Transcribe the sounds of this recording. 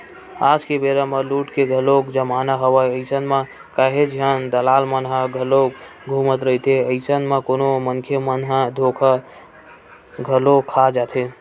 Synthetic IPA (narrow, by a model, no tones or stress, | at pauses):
ad͡ʒkebeɾəmeluʈkeɡʱəlokd͡ʒəmanaɦəʋəjəɪsənmẽ | kaɦed͡ʒiɦənd̪əlalmənɦəɡʱəlok | ɡʱumət̪ɾəɦit̪ʰeəɪsənmekonoməŋkʰjemənɦəd̪ʱokʰa | ɡʱəlokʰad͡ʒat̪ʰe